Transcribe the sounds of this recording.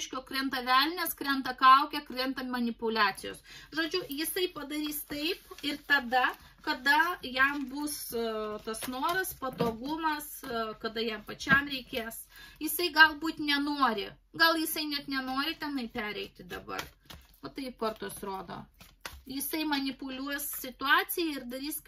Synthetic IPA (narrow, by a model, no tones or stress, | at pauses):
ʃʲkʲoːkɾʲɛnt̪ɐʋʲælʲnʲɛskɾʲɛnt̪ɐkɐʊkʲɛkrʲɛnt̪ɐmɐnʲɪpʊlʲæːt̪ʲɪjoːsʒoːd͡ʒʲʊjɪsɐɪpɐd̪ɐɾʲiːst̪ɐɪpɪrt̪ɐd̪ɐ | kɐd̪ɐjɛmbuːst̪ɐsnoɔɾɐspɐt̪oːɡʊmɐskɐd̪ɐjɛmpɐt͡ʃʲɛmɾʲɛɪkʲeːsjɪsɐɪɡɐlˠbuːt̪ʲnʲɛnoɔɾʲɪɡɐlˠjɪsɐɪnʲɛt̪nʲɛnoːɾʲɪt̪ʲɛnɐɪpʲæːɾʲɛɪt̪ʲɪd̪ɐbɐ̰r | ʋɐt̪ɐɪpɐrt̪usɾoːd̪o̰ːjɪsɐɪmɐnʲɪpʊlʲuɔjssʲɪt̪ʊɑːsʲɪjɛɪrd̪ɐɾʲiːs